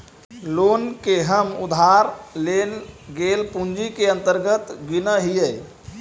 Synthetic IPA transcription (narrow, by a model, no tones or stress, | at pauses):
lonkeɦəmud̪ʱaɾlenɡelpund͡ʒikeə̃nt̪əɾɡət̪ɡinəɦijəj